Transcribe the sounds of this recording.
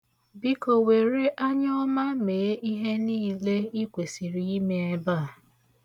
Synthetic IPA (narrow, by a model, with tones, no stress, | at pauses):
bi˦ko˨we˨ɾe˦ʔa˦ɲɔ˦ma˦me˨e˦i˦ɦe˦ni˦˨le˦i˦kʷe˨si˨ɾi˦i˦me˦e˦ba˦˨